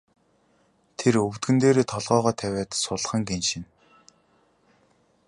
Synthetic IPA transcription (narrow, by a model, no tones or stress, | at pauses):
t̪ʰerɵwt̪̚ɡɘ̆nt̪eːɾeːt̪ʰɔɮʁɔːʁɔːt̪ʰæwʲæːt̪sʊɮ̆χə̆ŋɡenʃĭn